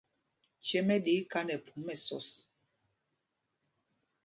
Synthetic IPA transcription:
t͡ʃɛ˦mɛ˦ɗe˨˦ka˦nɛ˨pʰu˨˦mː˦ɛ˨sɔ̰˦˨s

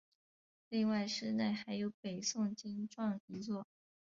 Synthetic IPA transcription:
li˥˧ŋwa˥˩ɪʂɻ̩˥˧na˥˩ɪxa˧˥ɪjo˧˥ʊpe˨˩ɪsʊ˥˩ŋt͡ɕi˥nʈ͡ʂwɑ˥˩ŋi˧˥t͡swɔ˥˩

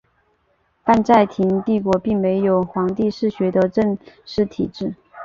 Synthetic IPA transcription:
pa˥˧nt͡sa˥˩ɪt̪ʰi˧˥ŋt̪i˥˩kwɔ˧˥pi˥˩ŋme˧˥ɪjo˨˩ʊxwɑ˧˥ŋt̪i˥˧ʂɻ̩˥˩ɕɥɛ˧˥d̪ə˧ʈ͡ʂə˥˧ŋʂɻ̩˥˩t̪ʰḭ˨˩ʈ͡ʂɻ̩˥˩

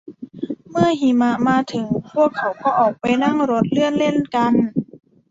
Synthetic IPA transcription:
mɯ˧˥˩ɐ˨hi˧˩˦ma˧ʔmaː˧t̪ʰɯ˨˩˦ŋpʰu˧˥˩əkʰːa˨˩wkɔː˧˩ʔɔː˨˩k̚pa˧jna˧˥˩ŋɾo˧˦˥t̪̚lɯ˧˩ənle˧˥˨nka˧n

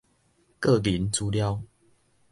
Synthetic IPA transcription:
kə˥˨li˨˦nt͡su˦lja˥˨ʊ

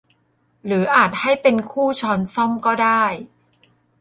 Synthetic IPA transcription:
ɾɯː˩˦ʔaː˨˩t̪̚ha˥˩jpe˧nkʰuː˥˩t͡ɕʰɔː˧nsɔ˥˩mkɔː˥˩daː˥˩j

